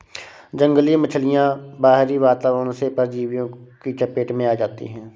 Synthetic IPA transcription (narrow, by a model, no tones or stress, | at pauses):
d͡ʒə̃ŋɡlimət͡ʃʰəlɪjãbaːɦɾiʋaːt̪aːʋənõsepəɾd͡ʒiːʋjõkit͡ʃəpeːʈmẽaːd͡ʒaːt̪ḭɦɛ̃ː